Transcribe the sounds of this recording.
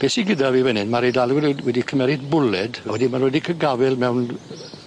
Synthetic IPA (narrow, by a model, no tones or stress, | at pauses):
b̥eːsiɡɪdaviːvɛnɨnmaɾejdalˠwwɛdikʰəmɛɾɨdbʊlɛdwɛdimanodikʰəɡavɪlˠmɛwn